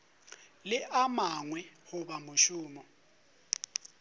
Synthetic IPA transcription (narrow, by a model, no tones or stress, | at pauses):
lɪʔamaŋwɛhʊbamʊʃʊːmɔ